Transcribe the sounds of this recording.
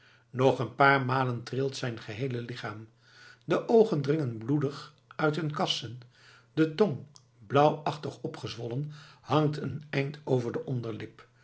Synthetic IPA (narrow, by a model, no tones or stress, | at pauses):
nɔχənpaːɹmaːləntrɪlˠtsɛjnχəɦejləlɪχaːm | dəʔowχəndrɪŋənbludəχ | œɥtɦɵnkɑsən | dətɔŋ | blʌwɑχtəχɔpχəzʋɔlənhɑŋtʰənɛjntʰowvəɹdəʔɔndəɹlɪp